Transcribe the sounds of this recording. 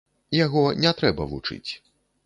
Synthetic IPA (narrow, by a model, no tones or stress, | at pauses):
jaɣɔnʲɛt̪ɾɛbɐvut͡ʂɨ̰t͡sʲ